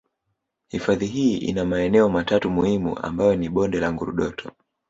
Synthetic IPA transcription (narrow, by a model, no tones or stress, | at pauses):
hifaðiɦiːʔḭnamaɛnɛɔmatatumuhimṵʔa̰mbajɔniɓɔndɛlaŋɡuɾuɗɔtʰɔ